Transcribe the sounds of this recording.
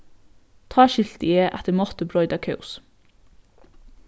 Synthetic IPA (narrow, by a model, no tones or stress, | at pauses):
t̪ʰɑːʃɪlt̪əeːʔæt̪əɾmɔt̪əbɹɔʏd̪ɑkʰɑʊs